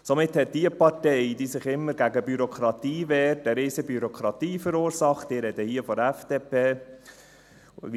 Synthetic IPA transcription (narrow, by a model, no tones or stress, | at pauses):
somɪt̪hɛt̚d̥iəpɑtɛɪd̥iːsɪχɪmːəɾɡæɡəbyɾokʰɾɑt̪iːʋɛːɾtəɾɪːsəbyɾokʰɾɑt̪iːfəɾuːɾsɑχtiːɾɛd̥̪əhiːəfɔdɛfd̥eːpeː